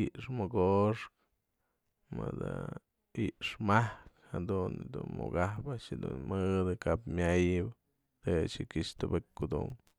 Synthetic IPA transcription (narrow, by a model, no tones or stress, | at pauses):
iʔʂmoɡoʂk | mɨd̪a | iʔʂmahkhad̪und̪ṵnmṵɡahpaʔt͡ʃd̪ṵnmɨd̪ɨkapmʲajɨbɨ | d̪et͡ʃikiʂt̪ɨbekkːud̪ṵm